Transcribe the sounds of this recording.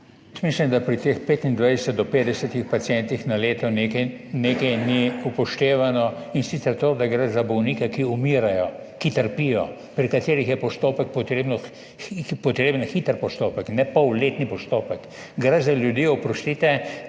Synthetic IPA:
jɛsmislimd̪apɾit̪expeːt̪ind̪ʋajsɛt̪̚d̪ɔpeːd̪ɛsɛt̪ixpat̪sjɛnt̪ixnaleːt̪ɔnekɛ | neːkɛjniupɔʃt̪eːʋanɔ | insit̪sɛɾt̪oːd̪aɡɾɛzabɔwnikɛkiumiɾajɔ | kit̪əɾpijɔ̰ | pɾikat̪eːɾixjɛpɔst̪oːpək̚pɔt̪ɾeːbnɔ | pɔt̪ɾeːbənxit̪əɾpɔst̪oːpəknɛpɔwleːt̪nipɔst̪oːpək | ɡɾɛzaljud̪iːɔpɾɔst̪it̪ɛ

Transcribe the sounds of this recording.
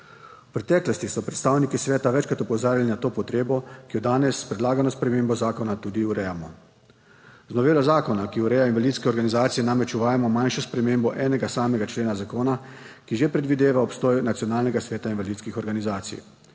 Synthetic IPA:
upɾɛt̪ɛːklɔst̪isɔpɾɛt̪st̪aːwnikisʋɛːt̪aʋɛt͡ʃkɾat̪ɔpɔzaːɾilinat̪oːpɔt̪ɾeːbɔkijɔd̪aːnɛspɾɛd̪laːɡanɔspɾɛmeːmbɔzaːkɔnat̪ud̪iuɾɛjamɔ | znɔʋeːlazaːkɔnakiuɾɛjainʋaliːt̪skɛɔɾɡanizaːt̪sijɛnamɾɛt͡ʃuʋaːjamɔmanʃɔspɾɛmeːmbɔʔɛːnɛɡasaːmɛɡat͡ʃleːnazakoːna | kiʒepɾɛd̪ʋid̪eːʋaɔpst̪ɔːjnat̪sijɔnaːlnɛɡasʋɛːt̪ainʋaliːt̪skixɔɾɡanizaːt̪sḭj

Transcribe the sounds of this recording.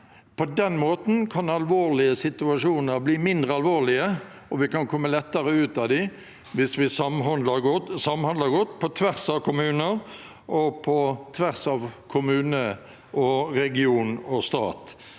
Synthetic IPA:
pʰɔd̪ɛnmoːt̪n̩kʰɑnɑlʋoːʁlɪəsɪt̪ʉɑʂuːnəɾbliːmɪnd̪ʁəɑlʋoːlɪə | ɔʋɪkɑnkʰɔmːəlɛt̪ːəɾəʉːt̪ɑd̪ɪ | ʋɪsʋɪsɑmɦɑnd̪ləɡɔsɑmhɑnd̪lɑɡɔt̪ːpʰɔt̪ʰʋæʁsɑʋkʰʊmʉːnəɾ | ʔɔpʰɔt̪ʰʋæʁsɑʋkʰʊmʉːnə | ʔɔɾɛɡɪuːnɔst̪ɑ̰ːt̪

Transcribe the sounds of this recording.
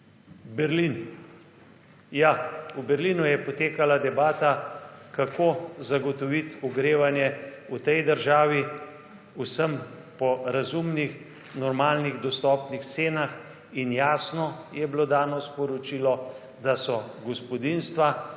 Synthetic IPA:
bɛɾlin | jaubɛɾlinujɛpɔt̪eːkalad̪ɛbaːt̪akakʰozaɡɔt̪ɔʋit̪uɡɾeːʋanjɛut̪ɛjd̪əɾʒaːʋi | usəm | pɔɾazumnix | nɔɾmaːlniɣd̪ɔst̪ɔːpnixt̪seːnax | injaːsnɔjɛblod̪aːnɔspɔɾɔt͡ʃilɔ | d̪asɔɡɔspɔd̪inst̪ʋa

